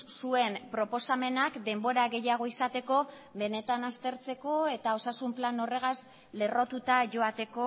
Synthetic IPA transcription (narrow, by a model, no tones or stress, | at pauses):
sue̞mpɾo̞po̞same̞nakd̪e̞mbo̞ɾaɣe̞jaɣ̞o̞isat̪e̞ko̞ | βe̞ne̞t̪anast̪e̞ɾt͡se̞ko̞e̞t̪ao̞sasumplano̞re̞ɣ̞az | le̞ro̞t̪ut̪aʝo̞at̪e̞ko̞